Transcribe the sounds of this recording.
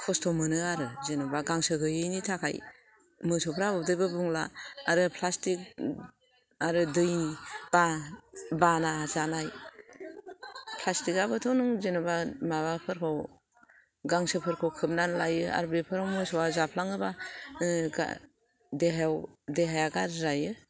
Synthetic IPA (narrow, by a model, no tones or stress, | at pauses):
kʰɔstʰɔmɯnɯaɾɯzenɯbaɡaŋsɯɡɯjɯjnitʰakʰa̰j | mɯsɔpʰɾabɔdɯjbabuŋlaːɾɯpʰlastik̚ | aɾɯdɯjnib̥a | banazanaj | pʰlastikabɯtʰɔnɯŋzenɯbamaβapʰɯɾkʰɔw | ɡaŋsɯpʰɯɾkʰɔwkʰɯp̚nanlajɯa̰ɾbepʰɯɾawmɯsɔwazapʰlaŋɯba | ɡa̰ | deɦwdeɦajaɡaɾɾajɯ